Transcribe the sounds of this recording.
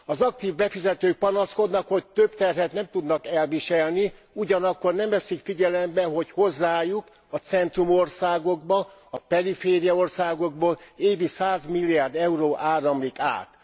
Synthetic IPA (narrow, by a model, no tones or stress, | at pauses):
ɒzɒk̚t̪iːvbɛfizɛt̪øːk̚pɒnɒsko̞d̪nɒkho̞c̚t̪øbt̪ɛrɦɛt̪nɛmt̪ud̪nɒkɛlviʃɛlni | uɟɒnɒkːornɛmvɛsikfiɟɛlɛmbɛɦo̞cho̞zːaːjuk | ɒt̪sɛnt̪rumo̞rsaːɡo̞ɡbɒ | ɒpɛɾifeːɾijɒorsaːɡoɡ̚boːleːvisaːzmilːiaːrd̪ɛuɾoːʔaːɾɒmlika̰ːt̪